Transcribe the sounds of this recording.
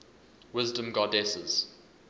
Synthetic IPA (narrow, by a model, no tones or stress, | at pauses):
wɪzdə̃mɡɔdɛsə̰z̥